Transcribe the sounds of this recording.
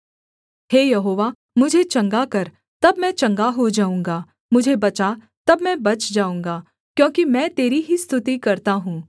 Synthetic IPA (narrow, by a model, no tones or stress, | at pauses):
ɦeːjɐɦoːʋa | mʊd͡ʒʱet͡ʃɐ̃ŋɡakɐɾ | t̪ɐbmɛ̃t͡ʃɐ̃ŋɡaɦod͡ʒaːũːŋɡaː | mʊd͡ʒʱebɐt͡ʃa | t̪ɐbmɛ̃bɐt͡ʃd͡ʒaːũːŋɡaː | kjõːkimɛ̃ːt̪eːɾiɦist̪ʰʊt̪ikɐɾt̪aɦũː